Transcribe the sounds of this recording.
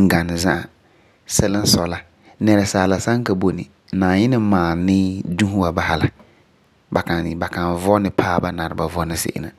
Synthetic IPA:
ŋ̩˨ɡa˨nɪ˨zã˦ʔa˨ | sɛ˦lɪ˦n̩˦sɔ˨la˨ | nɛ˨ɾɛ˨saː˨la˨sa˦ŋ˦ka˨bo˨nɪ̰˨ | naː˨ɲɪ˦nɪ˦maː˨nɪː˦dũ˦ɦu˦wa˨ba˨ha˦la˨ | ba˨ka˨n˨ba˨ka˨nvɔ˦nɪ˨pʰaː˦ba˦na˨ɾɪ˨ba˨vɔ˦nɪ˦sḛ˦ʔɪ̰˦na̰˨

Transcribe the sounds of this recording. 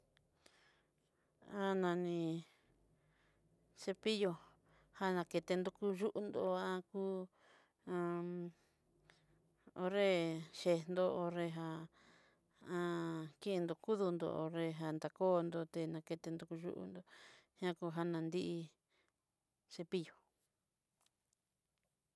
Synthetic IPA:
a˦nã˨nĩ˧ | se˧pi˦jo˧ | ha˦nã˧ke˧t̪e˧nd̪u˧ku˧ʒu˦ʔu˧nd̪o˧ã˧kuː˦ | ã˧ | o˧ɾe˦ʃe˧nd̪o˧o˧ɾe˧ɦa˧ | ã˧ki˦ʔnd̪o˧ku˦ðu˧nd̪o̰˧o̰˧ɾe˧ɦa˧nd̪a˨koː˦˧nd̪o˧t̪e˧nã˧ke˧t̪e˧nd̪u˧ku˧ʒṵ˦ʔṵ˧nd̪o˧hã˦ku˧ɦa˦nã˨nd̪i˦ʔi˧ | se˧pi˦jo˨

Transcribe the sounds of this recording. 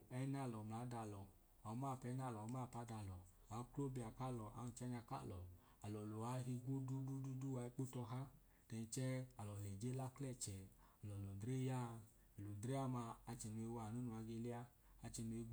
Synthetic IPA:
ɛ˦na˧˨lɔ˨mla˨˦da˧˨lɔ˨ | a˨˦ma˦˨pɛ˨˦na˦˨lɔ˨˧˦ma˦˨pa˨˦da˧˨lɔ˨ | a˨˦klo˦bi˧a˨ka˦˨lɔ˨a̰˨˦nu˨t͡ʃɛ˦ɲa˧ka̰˦˨lɔ˨ | a˨lɔ˨lo˨wa˨˦ɦi˧ɡʷo˦du˦du˦du˦du˦wa˧i˧k͡po˦tɔ˧ɦa˦ | tɛ˧i˧t͡ʃɛ˦a˨lɔ˨ɛ˨d͡ʒe˦la˦klɛ˦˨t͡ʃɛ˨ | a˨lɔ˨lɔ˨dɾe˦ja˦ | ɛ˨lo˨dɾe˦a˦maː˧t͡ʃɛ˨nu˨˧e˧˦wa˨nu˦nu˧˨a˧ɡe˧li˦aː˧ | t͡ʃɛ˧nu˧e˧ɡ

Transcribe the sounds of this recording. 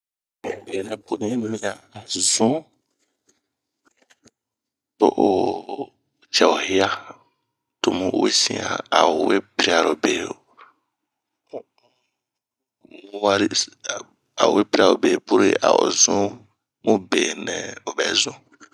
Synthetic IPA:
be˨nɛ̃˨pʰʊ˨nĩ˦mĩ˦a˨zũ˦ | to̰˦ʔo˨ | t͡ʃɛ˨o˨he˦a˦ | tʊ˨mũ˦ʔwḛ˦sḭ̃˦a̰˨a˨wo˨we˦pɾi˦a˨ɾo˨beː˨˦˨ | u˦wa˦ɾi˦˨ | a̰˨o̰˨we˦pɾi˦a˨o˨be˨pu˦ɾḛ˦˨ʔa̰˨wo̰˨zũ˦ | mũ˦be˨nɛ̃˨o˨bɛ̰˨zʊ̃˦

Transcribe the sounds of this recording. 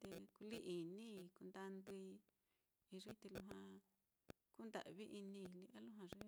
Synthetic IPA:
t̪e˧ku˧li˦ʔi˨nĩ˦i˧ku˧nd̪a˧nd̪u˧i˧ | i˧ʐi˦t̪e˧lu˧ɦwã˧ | ku˦nd̪a̰˨βi˦ʔi˧nĩ˧i˧li˧ʔa˦lu˦ɦã˧ʐi˦

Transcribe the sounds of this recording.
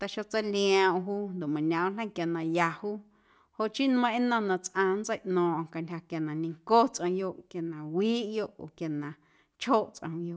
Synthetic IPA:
t̪a˧˨ʃo˧t͡sa˦lĩ˧˦ã˧˨ɦuː˦nd̪o˨mã˨nã˨w̃lə̃˦˨˦kja˨nã˨ja˧huː˦ | ho˧ʔt͡ʃi˦nmə̃˧ʔĩ˦nə̃˧nã˨t͡sʔãː˧nd͡zə˦jʔnɔ̃ː˨ʔka˨ntʲha˧kja˨nã˨nĩ˧ŋko˦t͡sʔə̃˧jo˧ʔkja˨nã˨wiː˦ʔjo˦˧ʔo˨kja˨nã˨ | t͡ʃʰhoː˦˨ʔt͡sʔə̰̃˧u˧jo˧˨ʔ

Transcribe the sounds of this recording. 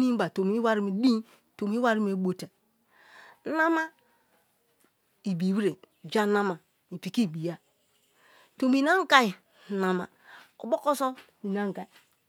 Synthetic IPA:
ni˦ba˨to˨mi˦wa˦ɾi˦mi˨di˦ | to˨mi˦wa˦ɾi˦m˦e˨˦bo˨ta˨˦ | na˦ma˦ | i˨bi˨wi˦ɾe˨ | d͡ʒa˦na˦ma˨ | i˨pi˨ki˦˨bi˨ja˦ | to˨mi˨na˦ŋ˦ka˦ji˨ | na˨ma̰˨ | o˨bo˦ko˦so˦ni˨na˦ŋ˨ɡa˨i˨

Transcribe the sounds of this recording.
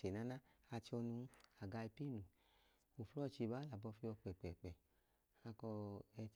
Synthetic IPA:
e˨na˨˦na˦a˧t͡ʃɔ˧nu˧˦a˨ɡa˧i˧pi˦nu˨ | o˨flɔ˦˨t͡ʃi˧˨ba˨˦la˨bɔ˧fi˧ɔ˧k͡pɛ˨k͡pɛ˨k͡pɛ˨ | a˧kɔ˧ɛ˧

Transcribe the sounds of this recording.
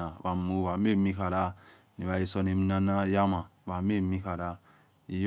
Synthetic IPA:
a˨ba˨mu˦βa˨me˦˨mi˦ka˨ɾa˦ | ni˨βa˨i˨so˨ni˨m˦na˦na˦ja˦ma˨βa˨me˦˨mi˦ka˨ɾa˦ | i˨j

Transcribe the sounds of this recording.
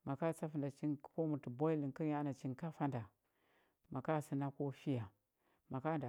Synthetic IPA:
ma˨ka˦˨t͡sa˦fi˨nda˨t͡ʃi˦n˦ko˦mu˨ti˨bo˦i˦li˨ŋkə˦ɲa˦na˨t͡ʃi˦nka˦fa˦nda˨ | ma˨ka˦˨si˦na˦ko˦fi˦ja˨ | ma˨ka˦nda˨

